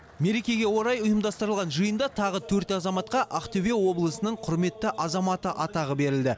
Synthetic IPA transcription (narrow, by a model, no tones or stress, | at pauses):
me̞ɾe̞kʲe̞ɡʲe̞wo̞ɾɑjʊjəmd̪ɑst̪əɾəlˠʁɑnʒəjənd̪ɑt̪ʰɑʁət̪ʰɵɾt̪ɑzɑmɑt̪qɑʔɑqt̪ɵvewo̞blˠəsənəɴqʰʊɾme̞t̪ːɪʔɑzɑmɑt̪əʔɑt̪ɑʁəbe̞ɾɪld̪ɪ